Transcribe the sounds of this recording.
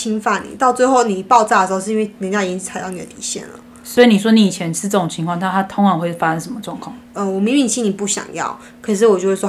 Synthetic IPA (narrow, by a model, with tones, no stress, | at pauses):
t͡ɕʰi˥nfa˥˩nḭ˨˩t̪ɑ˥˧ʊt͡swe˥˧ɪxo˥˩ʊni˨˩pɑ˥˧ʊt͡sa˥˩ə˩ʂ̩˧˥o˥˧˥nwni˨˥nja˥˩i˨˩t͡ɕi˥t͡sʰa˧˥jɑ˥˩ʊni˨˩d̪ə̰˦t̪i˨˩ɕjɛ̰˥˩nlə̰˩ | swɔ˧˥i˨˥ni˨˩ʂwɔ˦˥ni˧˥i˨˩t͡ɕʰjɛ˧˦nʂɻ̩˥˧ʈ͡ʂɤ˥˩o˨˩ŋt͡ɕʰi˧ŋkʰwɑ˥˨ŋnʰa˥˩t̪ʰa˥t̪ʰʊ˧˥ŋa˧˥nxwe˥˩ɪfa˥ʂa˧˦nʂə˧˦nmə˧ʈ͡ʂwɑ˥˧ŋkʰwɑ˥˩ŋə˧wɔ˨˩mi˧˥ŋmi˨˩ŋɕʰi˥ni˨˩pu˥˩ɕjɑ̰˨˩ŋjɑ̰˥˩ʊ | kʰɤ˨˩ʂ̬ɻ̩˥˩wɔ˨t͡ɕjo˥˧ʊwe˥˩wɔ˥